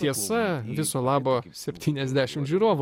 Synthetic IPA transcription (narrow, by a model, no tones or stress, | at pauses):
t̪ʲiɛsɐʋʲɪsoːlˠɑːboːsʲɛpʲt̪ʲiːnʲɛzʲd̪ʲæːʃʲɪmʒʲuːɾoːʋʊ